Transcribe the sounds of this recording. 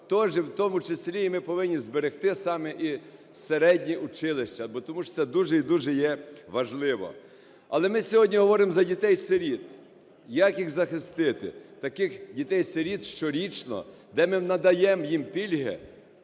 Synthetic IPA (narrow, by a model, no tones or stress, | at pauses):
t̪ɔʒɛwt̪ɔmʊt͡ʃesʲlʲiːmɪpɔʋɪnʲːizbeɾext̪ɪsɑmɛʔiseɾɛdʲnʲiʔʊt͡ʃɪlˠɪʃt͡ʃɐbɔt̪ɔmuʃsɛd̪uʒɛid̪uʒɛjɛʋɐʒlˠɪʋɔ̰ | ɐ̰lˠɛmɪsʲɔɦɔdʲnʲiɦɔʋɔɾɪmzɐdʲit̪ɛjseɾʲit̪ | jɐkjiɣzɐxɪst̪ɪt̪ɪ̰t̪ɐkɪxdʲit̪ɛjseɾʲit̪ʃt͡ʃɔɾʲit͡ʃnɔ̰ | d̪ɛmɪnɐd̪ɐjɛmjimpʲilʲɦɛ̰